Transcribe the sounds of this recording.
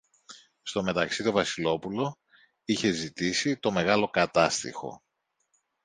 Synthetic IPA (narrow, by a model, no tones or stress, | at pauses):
st̪o̞me̞t̪ɐksit̪o̞vɐsilo̞pulo̞ | içe̞zit̪isit̪o̞me̞ɣɐlo̞kɐt̪ɐst̪ḭxo̞̰